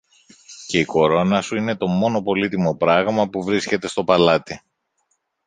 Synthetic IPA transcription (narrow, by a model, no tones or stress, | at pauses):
ce̞iko̞ɾo̞nɐsuine̞t̪o̞mo̞no̞po̞lit̪imo̞pɾɐɣmɐpuvɾisce̞t̪e̞st̪o̞pɐlɐt̪i